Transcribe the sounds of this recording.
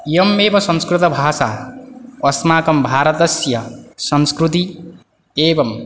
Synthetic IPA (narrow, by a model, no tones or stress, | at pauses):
jʌmːeːbʌsʌ̃nskɾut̪ʌbʱaːsa | ʌsmaːkʌmbʱaːɾʌt̪ʌsjʌsʌnskɾut̪i | eːbʌm